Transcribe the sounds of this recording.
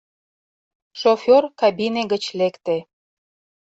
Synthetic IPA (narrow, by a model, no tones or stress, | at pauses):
ʃofʲorkɑbineɣət͡ɕlekt̪e